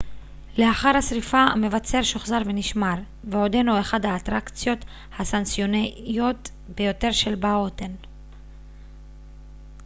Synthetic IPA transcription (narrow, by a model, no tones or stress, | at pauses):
le̞aχaʁhasʁifame̞vat͡se̞ʁʃoχzaʁve̞niʃmaʁ | veod̪enueχad̪haːt̪ʁakt͡sjo̞t̪ | hasansjo̞nejo̞t̪ | be̞jo̞te̞ʁʃe̞lbaot̪en